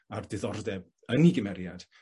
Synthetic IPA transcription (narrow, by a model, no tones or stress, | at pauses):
ardɪðɔrdɛb | əniɡɪmɛɾjad̥